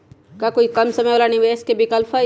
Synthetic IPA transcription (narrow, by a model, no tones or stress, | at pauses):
kakoːikɐmsɐməjolanɪʋeːskebɪkəlpʰə